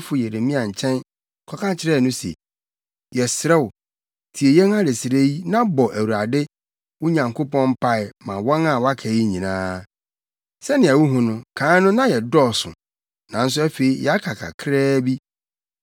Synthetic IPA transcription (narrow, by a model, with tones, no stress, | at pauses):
fʊ˦je˨ɾe˨mĩ˦ã˨ɲ̩˨t͡ɕʰɛ̃˦n˨ | kʰɔ˨kʰã˦t͡ɕʰɪ˦ɾɛ˦˨nʊ̃˦sɛ̰˨ | jɛ˨sɾɛ˦wʊ˨ | tʰi˨e˨jɛ̃˦na˦ɾe˨sɪ˨ɾe˦ji˦nã˦bɔ˨ʔæ˨wu˨ɾa˨dɪ˦ | wʊ˦ɲã˨ŋkʰo˦pɔ̃˦m̩˦pʰa˦ɪ˨mã˨wɔ̃˦na˨wa˦kʰæ˨ji˦ɲĩ˨nãː˦ | sɛ˦nɪ̃˨a˨wu˦ɦʊ̃˦nʊ̃˦kʰãː˨˦nʊ̃˦nã˦jɛ˨dɔ˦˨sʊ̰̃˨ | nã˨n̩˦s̬ʊ˦æ˦fe˨i˨˦jɛ˨a˦kʰa˨kʰa̰˨kʰɾɛː˦bi˦